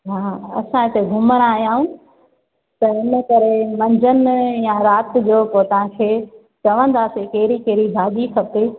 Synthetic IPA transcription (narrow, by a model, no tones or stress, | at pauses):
ɦaːɐ̰sãɪt̪eɡʱʊməɾ̃aːɦjaːɦũ | t̪ɐɪnə̆kɐɾemɐ̃ɲd͡ʑənɪ̆jãɾaːt̪̆d͡ʑoːpot̪ɐʋ̤ãkʰeː | t͡ɕɐʋə̃nd̪aːsekeːɾikeːɾidʱaːd̪ikʰɐpe